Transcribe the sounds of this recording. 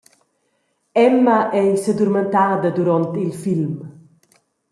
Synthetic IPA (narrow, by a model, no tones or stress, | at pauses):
ɛmːaʔɛjsed̪uɾment̪aːd̪əd̪uɾɔnt̪ilfilm